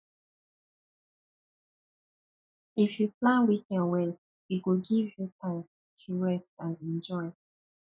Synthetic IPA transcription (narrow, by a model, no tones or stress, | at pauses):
ifjuplãnwikɛ̃nwɛn | wiɡoɡivjutʰãɪ̃m | tʰuɹɛstãnɛ̃nd͡ʒɔɪ